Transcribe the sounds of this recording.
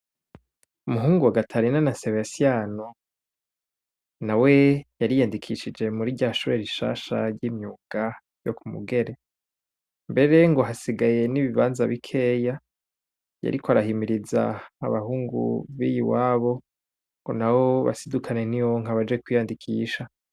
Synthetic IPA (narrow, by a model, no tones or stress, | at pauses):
umuɦuːŋɡuwaɡatʰaɾinanaseβjasijano | nawe̞jaɾijandikʰiʃid͡ʒe̞muɾiɟaːʃuɾeɾiʃa̰ːʃa̰ɾɟiːmɲuɡ̥a | jokumṵɡe̞ɾe̞ | mbe̞ɾe̞ŋɡo̞ɦasiɡaje̞niβiβaːnzaβikʰe̞ːja | ja̰ɾikoaɾahimiɾiza̰ːβaɦuːŋɡṵβijiwaːβo̞ | ŋɡ̥o̞̰nawoβa̰sidukʰane̞niwoŋ̥aβad͡ʒekwijandikʰiːʃa